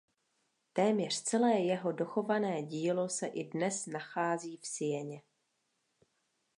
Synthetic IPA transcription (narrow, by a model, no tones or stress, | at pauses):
t̪ɛːmɲɛr̝̥t͡sɛlɛːjɛɦo̞do̞xo̞vanɛːɟiːlo̞sɛʔɪdnɛsnaxaːziːfsɪjɛɲɛ